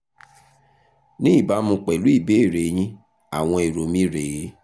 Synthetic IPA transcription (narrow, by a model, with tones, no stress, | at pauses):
nĩ˦i˦˨ba˨˦mũ˧k͡pɛ˨lu˨˦i˦˨be˨˦e˦˨ɾe˨j̃ĩ˦ | a˨w̃ɔ̃˧e˨ɾo˨mĩ˦ɾe˨˦